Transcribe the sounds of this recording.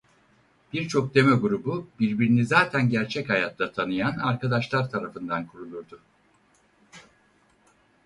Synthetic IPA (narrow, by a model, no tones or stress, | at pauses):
b̥iɾt͡ʃʰo̞k̚d̪e̞meɡuɾububiɾbiɾinizaːt̪ʰænɟæɾt͡ʃʰɛchajat̪ʰlˠat̪ʰanɯjanaɾkʰad̪aʃlˠaɾt̪ʰaɾafɯnd̪ankʰuɾulˠuɾd̪ʊ